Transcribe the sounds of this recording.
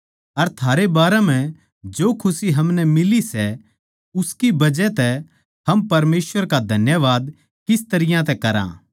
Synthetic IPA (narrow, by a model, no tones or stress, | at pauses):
ɐɾt̪ʰaːɾebaːɾɛmɛ̃ | d͡ʒoːkʰʊsiɦɐmnɛmɪlisɛ | ʊskibɐd͡ʒɛt̪ɛ | hɐmpɐɾmeːsʋəɾkad̪ʱɐnjəʋaːd̪ | kɪst̪ɐɾɪjãt̪ɛkɐɾã̰ː